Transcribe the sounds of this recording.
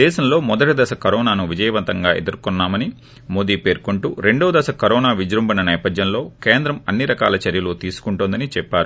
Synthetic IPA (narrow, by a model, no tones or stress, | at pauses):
ɛːʃɐmlo̞ːmɔd̪ɐʈɐd̪ɐsɐkɐɾɔːnaːnuʋid͡ʒɐjɐʋɐnt̪ɐŋɡaːʔḛd̪ɐɾkɔnːaːmɐni | moːd̪iːpe̞ːɾkuɳʈuɾe̞ɳɖoːd̪ɐsɐkɐɾɔːnaːʋid͡ʒɾumbɐnɐnɛːpɐd̪jɐnlo̞ːkeːnd̪ɾɐmɐnːiɾɐkaːlɐt͡ʃɐɾjɐluːt̪iːsu̥kuɳʈund̪ɐnit͡ʃɛpːaːɾu